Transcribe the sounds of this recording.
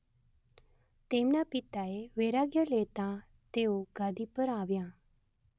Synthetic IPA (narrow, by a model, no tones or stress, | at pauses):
t̪eːmnapɪt̪aeʋeːɾaːɡjəleːt̪ã | t̪eːoɡaːd̪ipəɾaːʋjãː